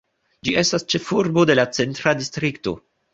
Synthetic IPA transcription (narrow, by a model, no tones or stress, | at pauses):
d͡ʒiʔe̞stast͡ʃe̞fuɾbo̞de̞lat͡se̞ntɾadistɾikto̞